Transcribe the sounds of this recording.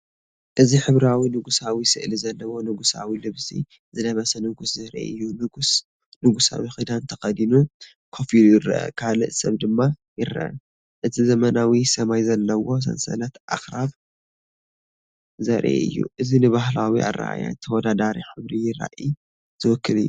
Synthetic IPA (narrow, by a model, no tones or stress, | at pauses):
ʔɨziħɨβɾawinɨɡusawisɨʔlizɐlːɐwo̞nɨɡusa̰wilɨβsḭ | zɨlɐβɐsɐnɨɡuszɨɾḛɨjːunɨɡs | nɨɡusa̰wixid̪ant̪ʰɐxɐd̪inu | kʰofilujɪrɐ̰ʔɐ̰kʰalɨʔsɐβd̪ɨmːajɪɾɐ̰ʔɐ̰ | ʔɨt̪ʰizɐmɐnawisɐmajzɐlːɐwo̞s̬ɐ̰nsɐ̰lɐt̪ʔa̰xɾaβ | zɐɾʔḛɨ̰jːṵʔɨzinɨβaɦlawiʔa̰ra̰ʔa̰ja̰t̪ʰɐwɔd̪ad̪aɾiħɨβɾijɪɾa̰ʔi | zʰɨwɔkːɨlɨjːu